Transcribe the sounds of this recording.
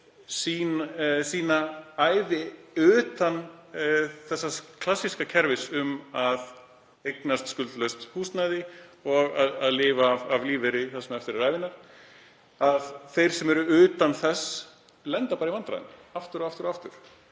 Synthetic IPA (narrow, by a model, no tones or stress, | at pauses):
siːnsiːnaaːjðɪʏːt̪an | θɛsːakʰlasːiskacʰɛɾvɪsʏmað | ejknast̪skʏlt̪lœɥst̪huːst̪najðɪɔɣaðaðlɪːvavavliːvɪɾɪθaðsɛmɛft̪ɪɾɪɾaːjvɪnːaɾ̥ | aðθejɾ̥sɛmɛɾʏʏːt̪anθɛsː | lɛnt̪apaːɾivant̪ɾa̰jɪ̰naft̪ʏɾɔaft̪ʏɾɔaft̪ʏɾ̥